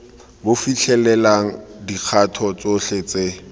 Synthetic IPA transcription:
bofiɬʰɛlɛlaŋ̩dik͡xʰatʰɔt͡soɬet͡se

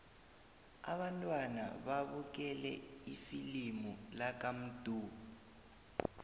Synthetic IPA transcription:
a̰βantʼwana̰βaβuk̬ɛlɛ̰ifilimulak̬ʼam̩d̥ʱuː

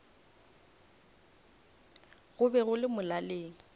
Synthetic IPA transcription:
ɣʊbɛɣʊlɪmʊlaleːŋ̩

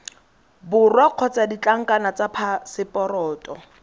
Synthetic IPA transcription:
bʊrwaq͡χʰɔt͡sadit͡ɬʼaŋ̩kʼanat͡sapʰasɪpʼɔɾɔːtʼɔ

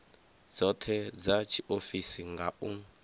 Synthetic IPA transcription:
d͡zɔtʰɛd͡zat͡ʃʰiʔofisiŋɡaʔu

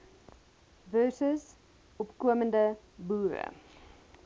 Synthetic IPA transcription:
vœsəs | ɔpkuəməndə | buːɾə̰

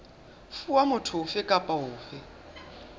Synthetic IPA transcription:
fuwamʊtʰʊʊfɪkʼapʼaɦʊːfɪ

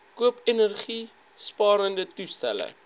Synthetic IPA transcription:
kuəpənərχi | spɑːɾəndətustæ̰lə̰

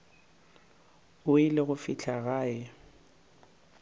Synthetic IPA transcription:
ʊɪlɪɣʊfit͡ɬʰaɣaːɛ

